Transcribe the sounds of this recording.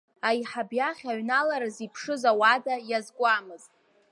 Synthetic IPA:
ajħabjaχʲaɥnalaɾazipʰʂɨzawadajazɡʷʼamɨztʼ

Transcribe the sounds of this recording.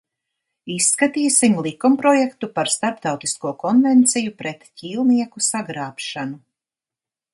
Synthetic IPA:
isːkat̪iːsimlˠikumpɾɔjekt̪upaɾst̪aɾpt̪awt̪iskuɔkɔnvɛnt̪sijupɾɛt̪ciːlˠniɛkusaɡɾaːpʃanu

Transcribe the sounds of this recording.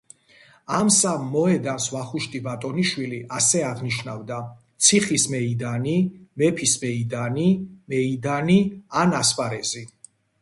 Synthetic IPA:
amsamːɔɛd̪ansvaχuʃt̪ʼibat̪ʼɔniʃwiliʔasɛaʁniʃnavd̪at̪sʰiχismɛid̪animɛpʰismɛid̪animɛid̪anianaspʼaɾɛzi

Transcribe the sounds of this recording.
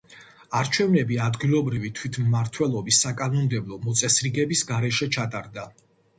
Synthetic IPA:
aɾt͡ʃʰɛvnɛbiad̪ɡilˠɔbɾivit̪ʰwit̪ʰmːaɾt̪ʰwɛlˠɔbisːakʼanɔmd̪ɛblˠɔmɔt̪sʼɛsɾiɡɛbisɡaɾɛʃɛt͡ʃʰat̪ʼaɾd̪a

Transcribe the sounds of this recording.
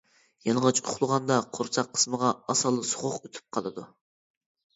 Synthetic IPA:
jɑnʁɑt͡ʃʰʊχlˠəʁɑnd̪ɑqʰoɾt͡ʃ̪ʰɑqʰːə̥sməʁɑɑsɑlˠːɨsʊ̥χʊqøt̪ʰy̥p̚qʰɑlˠɨd̪u

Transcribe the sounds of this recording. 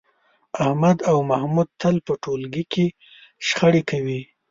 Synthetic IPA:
ahmad̪awmahmud̪̚t̪əlpəʈolɡike | ʃxəɽekawi

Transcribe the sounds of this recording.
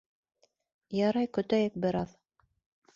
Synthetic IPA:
jɑɾɑjkɵ̆t̪æjɘk̚bɘ̆ɾɑð

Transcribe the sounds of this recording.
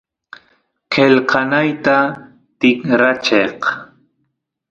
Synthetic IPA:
qelqɑnajt̪a | t̪ɪŋɾat͡ʃeq

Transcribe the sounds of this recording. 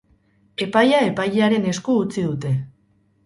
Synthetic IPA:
e̞pajae̞pajeaɾe̞ne̞skuːt͡siðut̪e̞

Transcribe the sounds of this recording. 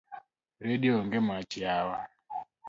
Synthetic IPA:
ɾɛɗiɔŋɡɛmat͡ʃiawa

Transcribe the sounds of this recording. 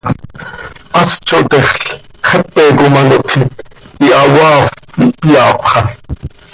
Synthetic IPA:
ʔɑst͡ʃoʔt̪ɛχɬ | χɛpːɛkomɑnoʔt̪ʰi | iʔɑwɑːfipijɑːpχɑ

